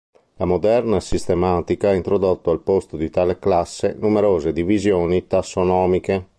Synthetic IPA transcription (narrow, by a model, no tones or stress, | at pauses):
lamod̪ɛɾnasist̪emaːt̪ikaɛint̪ɾod̪ot̪ːoalpost̪od̪it̪aːleklasːenumɛɾoːzed̪ivizjoːnit̪asːonɔːmike